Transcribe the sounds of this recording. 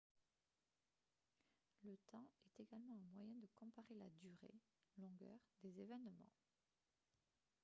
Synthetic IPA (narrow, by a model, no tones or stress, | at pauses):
lət̪ɑ̃ɛt̪eɡalmɑ̃ɛ̃mwajɛ̃d̪əkɔ̃paʁelad̪yʁḛ | lɔ̃ɡœ̰ʁd̪ezevɛnmɑ̰̃